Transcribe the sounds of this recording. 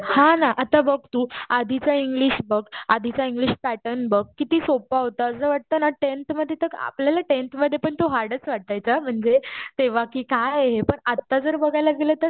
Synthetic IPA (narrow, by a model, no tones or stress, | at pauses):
hãnaʔat̪abəɡ̚t̪uːad̪ʱit͡saiŋɡliɕbəɡad̪ʱit͡saiŋɡliɕpæʈənbəɡ̚kːit̪iːsopaɦot̪aəsəʋaʈ̚t̪ənaʈent̪məd̪ʱːjet̪əa̰pljalaʈent̪məd̪ʱːjepəɳt̪oɦaɾɖət͡sʋaʈ̚t̪ajt͡sam̤əɳd͡zet̪eʋakiːkajɦepəɳat̪ːad͡zəɾbəɡʱajlaɡilət̪əɾ